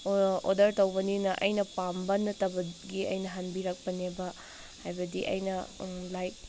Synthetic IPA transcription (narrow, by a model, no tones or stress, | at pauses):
o̰dɐɾtɐwbɐninɐʔɐjnɐpambɐnɐtɐbɐɡiɐ̰jnɐɦɐnbiɾɐk̚pɐnebɐ | hajbɐdiʔɐ̰jnɐlajt̚